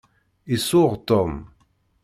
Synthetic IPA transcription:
isʊʁt̪ɔm

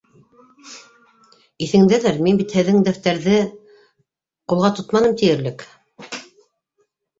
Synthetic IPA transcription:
iθɘ̆ŋd̪æðæɾminbit̪hɘ̆ðːɘŋd̪æft̪æɾðɘ | qulˠʁɑt̪ot̪mɑnɤmt̪ijɘ̆ɾlɘk

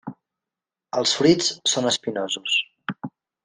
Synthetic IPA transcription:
əlˠsfɾit͡ssonəspinozus

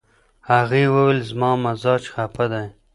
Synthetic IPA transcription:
haɣiːwəwelzmɑːmazɑːt͡ʃxapad̪aj

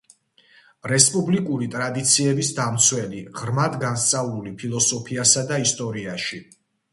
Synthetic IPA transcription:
ɾɛspʼublikʼuɾit̪ʼɾad̪it̪sʰiɛbisd̪amt̪sʰwɛliʁɾmad̪ɡanst̪sʼavulipʰilˠɔsɔpʰiasad̪aist̪ʼɔɾiaʃi

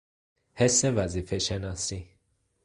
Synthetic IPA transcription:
hesːevæzifeʃenɒsi

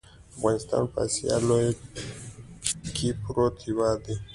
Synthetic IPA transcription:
afɣanist̪a̰npa̰sija̰loe | kʰipɾot̪ʰiwad̪e

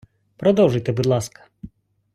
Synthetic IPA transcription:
pɾɔd̪ɔwʐɪjt̪ɛbud̪lˠaskɐ̥

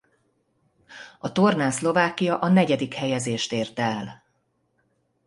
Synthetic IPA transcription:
ɒt̪o̞rnaːslo̞vaːkːijɒʔɒnɛɟɛd̪ikhɛjɛzeːʃt̪eːrt̪ɛl

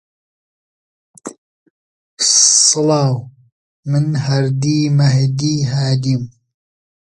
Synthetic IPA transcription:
sɨlɑːw | mɨnhɐɾd̪iːmɐhd̪iːɦaːd̪im

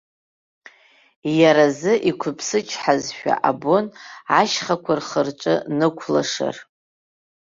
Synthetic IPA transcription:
jaɾazɨʔikʷʰʊpʰsɨt͡ʃʰħazʃᶣa̰ʔabonaʃχakʷʰarχərʈ͡ʂʼɨnɨkʷʰla̰ʂa̰r

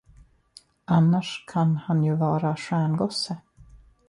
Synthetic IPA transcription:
ʔanːaʂkʰanhanjɵvɑːɾaʂæːɳɡɔsə

